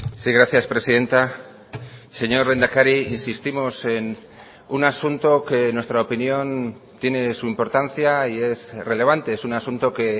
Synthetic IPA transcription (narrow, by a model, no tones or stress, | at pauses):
siɣɾaθjaspɾe̞siðe̞nt̪a | se̞ɲo̞ɾle̞nd̪akaɾiinsist̪imo̞se̞n | unasunt̪o̞ke̞nwe̞st̪ɾaopinjo̞n | t̪je̞ne̞suimpo̞ɾt̪anθjaie̞sre̞le̞β̞ant̪e̞esunasunt̪o̞ke̞